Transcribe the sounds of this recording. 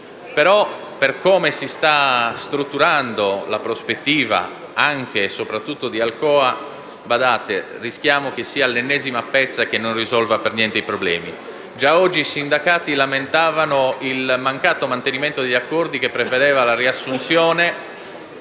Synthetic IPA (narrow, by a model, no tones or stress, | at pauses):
peɾɔ | perkoːmesist̪ast̪ɾut̪ːuɾand̪olapɾospet̪ːiːva̰ | aŋk̟esopɾat̪ːut̪ːod̪ialkɔːa | bad̪aːt̪ḛrisk̟jaːmokesːiːalːenːɛːzimapɛt̪sːak̟enːonrizɔlvapernjɛnt̪eipɾoblɛ̰ːmi | d͡ʒaɔd͡ʒːiːsind̪akaːt̪ilament̪aːvanoilmaŋkaːt̪omant̪eniment̪od̪eʎːakːɔrd̪ik̟epːɾeved̪ɛːvalariasːunt̪sjɔːne